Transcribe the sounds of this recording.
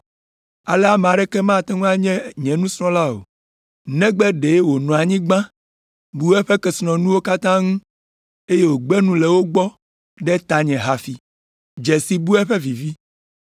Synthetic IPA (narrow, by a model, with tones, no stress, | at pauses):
a˨lɛ˦a˦mẽ˨a˨ɖɛ˦kɛ˦mã˦˨t̪ɛ̃˦ŋũ˦a˦ɲɛ̃˦ɲɛ̃˨nũ˦sɾɔ̃˦la˦o̰˨ | nɛ̃˦ɡ͡bɛ˦ɖe˨e˦wo˨nɔ̃˨a˨ɲĩ˦ɡ͡bã˦ | bu˦ɛ˦ɸɛ˦kɛ˨snɔ̃˨nũ˦wo˦ka˦t̪ã˦ŋũ˦ | e˦je˦wo˨ɡ͡bɛ˦nũ˦lɛ˨wo˦ɡ͡bɔ˦ | ɖɛ˦t̪a˨ɲɛ̃˨ɦa˨fi˨ | d͡ʒɛ˨si˨bu˦ɛ˦ɸɛ˦vi˨vi˦